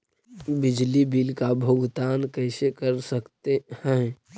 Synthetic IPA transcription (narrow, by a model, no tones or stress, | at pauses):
bɪd͡ʒlibilkabʱoɡt̪aːnkəɪsekəɾsəkt̪ehɛ̃